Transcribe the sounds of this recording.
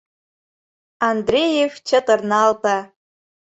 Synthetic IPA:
andrʲejefʲt͡ʃʰatʼɨrnalpʰa

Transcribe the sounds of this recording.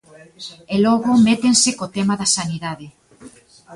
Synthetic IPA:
elɔɣomet̪ensɪkot̪emaðɐsaniðaðe

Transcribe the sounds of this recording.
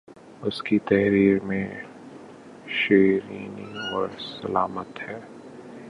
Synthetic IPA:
ʊskit̪ɐɦɾiːɾmẽ | ʃeːɾiːnɪ̰̃ŋɔːɾsɐlaːmət̪hɛː

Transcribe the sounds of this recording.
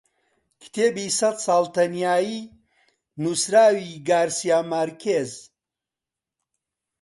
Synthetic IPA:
kʰt̪ʰeːbiːsɐt̪saːlˠt̪ʰɐnjaːji | nusɾaːwiɡaːɾsijaːmɐɾkʰez

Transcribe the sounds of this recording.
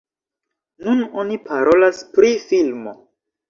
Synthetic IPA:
nuno̞nipaɾʔo̞laspɾifilmo̞̰

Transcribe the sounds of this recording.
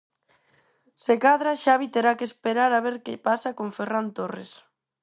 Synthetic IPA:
sekaðɾaʃaβit̪eɾakespeɾaɾaβeɾkepasakoɱferant̪ores

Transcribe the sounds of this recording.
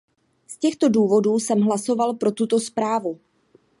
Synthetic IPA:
scɛxt̪o̞duːvo̞duːsɛmɦlaso̞valpɾo̞t̪ut̪o̞spɾaːvu

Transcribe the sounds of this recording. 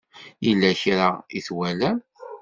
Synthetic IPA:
jəlːæçɾaḭθwælæm

